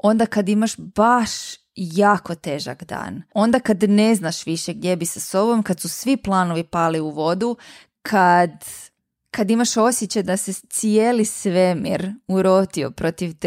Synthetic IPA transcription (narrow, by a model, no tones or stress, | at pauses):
o̞nd̪akad̪imaʃbaʃ | jaːko̞t̪eːʒa̰ɡd̪a̰ːno̞nd̪akad̪ne̞znaʃʋiʃeɡd̪je̞bisaso̞bo̞mkad̪susʋiplˠaːno̞ʋipaːliuʋo̞d̪u | kʰad̪ | kad̪imaʃo̞sjet͡ɕad̪aset̪sijeːlisʋe̞mḭɾuɾo̞t̪io̞̰pɾot̪iʋt̪